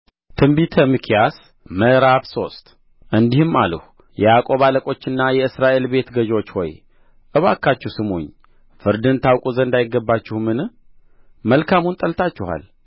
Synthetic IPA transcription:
t̪ʰɨmbit̪ʰəmɨkʰijas | məɾaβso̞st̪ʼ | ʔɨnd̪ihɨmːa̰ləh | jɛjakʼo̞βaləkʼo̞t͡ʃːɨnːajɛɨsɾaʔe̞lbe̞t̪ɡəʒot͡ʃːwɔ̰j | ʔɨβakʰːat͡ʃːɛhsɨmṵɲː | fɨɾd̪ɨnt̪ʰawkʼuzənd̪ajɪɡːəbːat͡ʃːɪhmɨn | məlkʰamunt̪ʼəlt̪ʰat͡ʃːɪha̰l

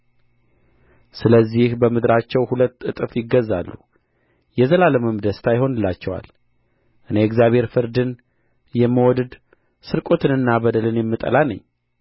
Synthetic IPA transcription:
sɨləzːihbəmɨd̪ɾat͡ʃːɛwhulət̪ːɨt̪ʼɨfjɪɡəzːa̰lːu | jɛzəlaləməmd̪əst̪ʰajɦo̞nɨlːat͡ʃːɛwa̰l | ʔɨneɨkzjaβhe̞ɾfɨɾd̪ɨn | jɛmːəwɔd̪ɨd̪ | sɨɾkʼot̪ʰɨnɨnːabəd̪əlɨnjɛmːɨt̪ʼə̰lanə̰ɲː

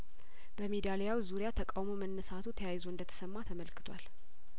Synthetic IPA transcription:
b̥əmed̪alejawzuɾijat̪ʰəkʼawmomənːəsat̪ʰut̪ʰəjajzoɨnd̪ət̪ʰə̥səmːat̪ʰəməlkɨ̥t̪ʰwa̰l

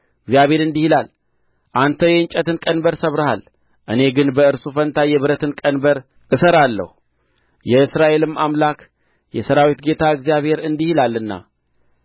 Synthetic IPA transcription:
ɨɡzijaβhe̞ɾɨnd̪ihilal | ʔant̪ʰəjɛɲt͡ʃʼət̪ɨnkʼənbəɾsəβɾəha̰l | ʔɨne̞ɡɨnbəɨɾsufənt̪ʰajɛβɨɾət̪ɨnkʼənbəɾ | ʔɨsəɾalːə̰hu | jɛɨsɾaʔe̞lɨmamlak | jɛsəɾawit̪ɡe̞t̪ʰaɨɡzijaβhe̞ɾɨnd̪ihilalːɨnːa̰

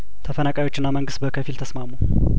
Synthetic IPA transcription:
t̪ʰəfənakʼajwo̞t͡ʃːɪnːaməŋɡɨst̪bəkʰəfilt̪ʰəsmamu

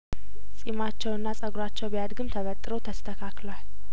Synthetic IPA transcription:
sʼimat͡ʃːɛwɨnːasʼəɡɾat͡ʃːɛwbijad̪ɡɨmt̪ʰəβət̪ʼːɨɾot̪ʰəst̪ʰəkʰaklwal

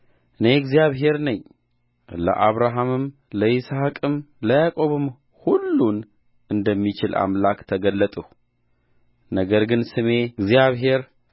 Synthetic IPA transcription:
ʔɨne̞ɡzijaβɦe̞ɾnəɲː | lə̰ʔaβɾaɦamɨm | ləʔisakʼɨmləjakʼo̞βɨm | hulːun | ʔɨnd̪əmːit͡ʃɪlʔa̰mlakt̪ʰəɡəlːət̪ʼu | nəɡəɾɡɨnsɨme̞ɡzjaβɦe̞ɾ

